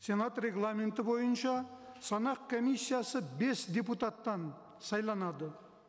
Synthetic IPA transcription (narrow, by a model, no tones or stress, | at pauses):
se̞nat̪rʲe̞ɡlˠamʲent̪ɪbo̞jənʃɑsɑnɑqkʰo̞mijsːijasəbe̞sd̪ʲe̞p̬ut̪at̪ːɑn | sɑjlˠɑnɑd̪ə